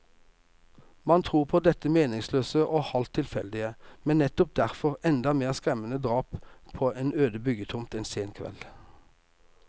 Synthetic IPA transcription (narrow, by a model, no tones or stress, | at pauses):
mɑnt̪ʰʁuːʁpʰoːd̪ɛt̪əmeːnɪŋsløːsəʔoːhɑlt̪ʰːɪlfɛ̰ld̪ɪəmɛnɛt̪ɔp̚d̪æʁfɔʁɛnd̪ɑmeːʁskʁɛmənəd̪ʁɑːppʰoːʔeːnøːd̪əbʏɡət̪ʰʊmt̪ɛnseːnkʰʋɛ̰l